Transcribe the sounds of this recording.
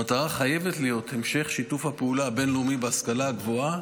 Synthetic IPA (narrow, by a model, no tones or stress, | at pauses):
at̪aʁaχaje̞vet̪lejo̞t̪he̞mʃe̞χʃitufhapeulabe̞nlumibeaskalaaɡvo̞a